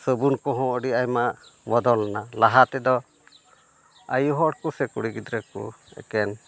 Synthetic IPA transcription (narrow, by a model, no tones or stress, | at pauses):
səbunkɔɦɔ̃əɖiajmamɔd̪ɔlanalaɦat̪ɛd̪ɔ | a̰juɦɔɽkusɛkṵɽiɡid̪ɾɛkṵɛ̰kɛn